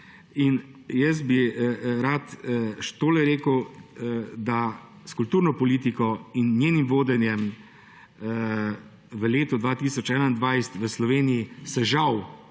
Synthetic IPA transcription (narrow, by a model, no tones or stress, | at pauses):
in | jəs̬biɾat̪ʃt̪oːlɛɾeːkəw | d̪a | skult̪uːɾnɔpɔliːt̪ikɔinːjeːnimʋoːd̪ɛnjɛm | ʋəleːt̪ɔd̪ʋaːt̪iːsɔt͡ʃɛːnaind̪ʋajst̪ʋəslɔʋeːniisɛʒaw